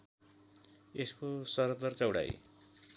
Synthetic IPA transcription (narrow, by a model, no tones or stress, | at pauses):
eskosʌɾʌd̪ʌrt͡sʌwɽa̰j̰